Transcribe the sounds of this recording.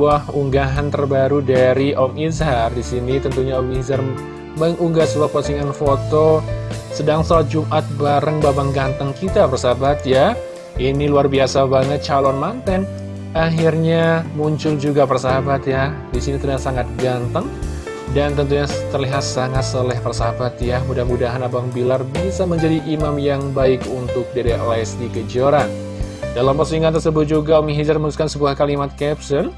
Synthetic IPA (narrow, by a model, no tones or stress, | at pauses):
uahuŋɡaɦant̪ərbaɾudaɾiʔɔmizardisinit̪ənt̪uɲaɔmizar | məŋuŋɡasəbuahposiŋanfot̪osədaŋsalat̪̚d͡ʒumʔat̪̚baɾəŋbabaŋɡant̪əŋkit̪apərsaabat̪ja | ʔiniluarbiasabaŋət̪̚t͡ʃalɔnmant̪ɛn | ʔaɦirɲamuɲt͡ʃʊld͡ʒuɡapərsəɦabat̪jadisinit̪ərdasaŋat̪̚ɡant̪əŋ | dant̪ənt̪uɲat̪ərliɦat̪̚saŋat̪səlɛhpərsaɦabat̪jamudamudaɦanabaŋbilarbisaməɲd͡ʒadiʔimamjaŋbaɪkunt̪ʊk̚diɾeʔoɛsdiɡəd͡ʒəɾan | dalampərsiŋant̪ərsəbʊt̪̚d͡ʒuɡaomiɦid͡ʒarməɾusu̥kansəbuahkalimat̪̚kɛpsən